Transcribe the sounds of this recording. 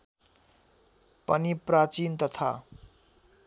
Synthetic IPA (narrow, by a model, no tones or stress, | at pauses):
pʌniprat͡sint̪ʌt̪ʰa̰